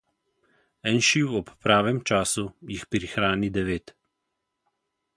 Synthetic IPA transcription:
ɛnʃiːwɔppːɾaːʋɛmt͡ʃaːsujixpɾixɾaːnid̪ɛʋeːt̪

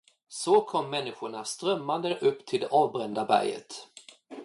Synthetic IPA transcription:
sɔkʰɔmːɛnːɪɧʊɳast̪ɾœmːand̪əʔɵpːt̪ʰɪld̪ɛʔɑːvbɾɛnd̪abæ̰ɾjə̰t̪

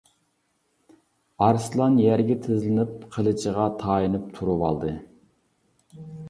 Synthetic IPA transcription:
ɑɾslˠɑnjæɾɡʲɛt̪ʰɪzlɪnɪp̚qʰəlˠɨt͡ʃʰəʁɑt̪ʰɑːjinɨp̚t̪ʰuɾuwɑlˠd̪ɨ

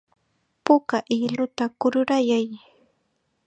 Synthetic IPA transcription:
pʊkaʔɪlʊt̪akʊɾʊɾajaj

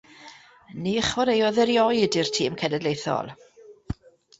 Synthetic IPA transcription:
niːəχwɔɾejɔðɛɾjɔɨdirtʰiːmkʰɛnɛdlejθɔ̰lˠ

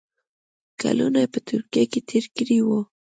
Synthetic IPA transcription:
ka̰lʊnajpat̪ʊɾkjajkɪt̪ʰɪɾkɾɪwo

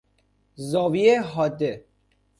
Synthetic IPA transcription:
zɔːvieɦɔd̪ːe

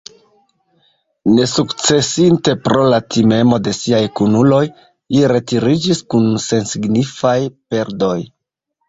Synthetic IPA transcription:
ne̞sukt͡se̞sinte̞pɾo̞latime̞mo̞de̞siajkunulo̞j | liɾe̞tiɾid͡ʒiskunse̞nsiɡnifajpe̞ɾdo̞j

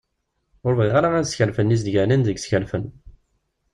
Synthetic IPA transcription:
ʊɾviʁaɾaæsçəɾfənːiz̬d̪ʝəninðəɡsçəɾfən

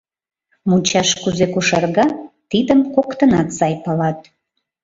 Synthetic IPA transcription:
mut͡ɕɑʃkuzekuʃɑrɣɑt̪id̪əmkokt̪ənɑt̪sɑjpəlɑt̪̚

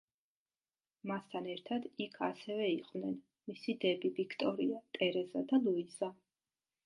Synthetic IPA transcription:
mast̪ʰanɛɾt̪ʰad̪ikʰasɛvɛiqʼvnɛn | misid̪ɛbivikʰt̪ʼɔɾiat̪ʼɛɾɛzad̪alˠuiz̥a

